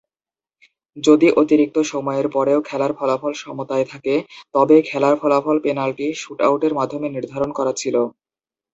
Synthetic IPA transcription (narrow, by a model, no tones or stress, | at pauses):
d͡ʑod̪iʔot̪iɾik̚t̪oʃɔmɔeɾpɔɾeokʰɛlaɾfʰɔlafɔlʃɔmot̪aet̪ʰaket̪ɔbekʰɛlaɾfʰɔlafɔlpenalʈiʃuʈa̰wʈeɾmad̪ʱːomeniɾd̪ʱaɾonkɔɾat͡ɕʰilo